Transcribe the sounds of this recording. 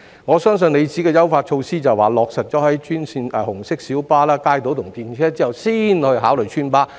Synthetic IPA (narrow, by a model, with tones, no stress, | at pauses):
ŋɔː˨˧sœː˥ŋsɵ˧ne˨˧jt͡siː˨˥kɛː˧jɐ˥wfaː˧t̚t͡ʃʰo˧wsiː˥t͡sɐ˨˩waː˨˩lɔː˨k̚sɐ˨t̚t͡ʃɔː˨˥ɦɐ˨˥jt͡ʃyː˥nsiː˧nɛː˧hʊ˨˩ŋsɪ˥k̚siː˨˥wpaː˥laː˥kaː˧˥jt̪o˨˥wt̪ʰʊ˨˩ŋt̪iː˨˧nt͡ʃʰɛː˥t͡siː˥ɐ˨wsiː˥nhɵ˧ɥɦaː˨˥wlɵ˨jt͡ʃʰyː˥npaː˥